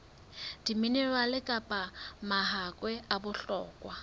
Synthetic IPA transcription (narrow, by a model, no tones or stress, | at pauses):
d̥iminɛɺwalɪkʼapʼamaɦakʼwɛabʊɬɔːkʼwa